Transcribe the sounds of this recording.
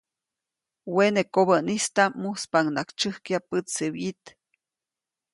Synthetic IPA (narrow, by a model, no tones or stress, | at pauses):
wenekoβəʔnist̪amuspaŋnakt͡ʃɨhkiapɨt͡sːəwit̪